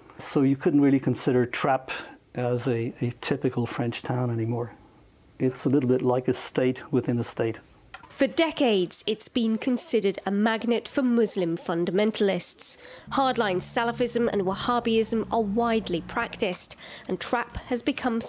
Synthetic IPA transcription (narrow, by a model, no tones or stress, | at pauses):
soʊjɨkʰʊdⁿn̩t̚ɹɪːlˠikʰə̃nsɪɾə˞tʰɹ̥apʔəzɨːtʰɪpɨkəl̩ˠfɹɛ̃nt͡ʃtʰãʊ̃nɛñimɔɹ | ɪtsəlɪɾl̩ˠbɪʔˡlaɪkɨsteɪt̚wɪðɪ̃nəsteɪt̚ | fədɛkeɪdz̥ɪtsb̥ĩnkʰə̃nsɪɾəɾəmaɡ̚nɪtfəmʊzlɪ̃ɱfʌ̃ndəmɛ̃ntʰəlɪstshɑɹdlãɪ̃nz̥salˠəfɪzə̃mə̰̃nwəhɑːbiɪzə̃məwaɪdˡlipʰɹ̥aktɪstə̃ntʰɹ̥aphəzbɨkʰʌ̃m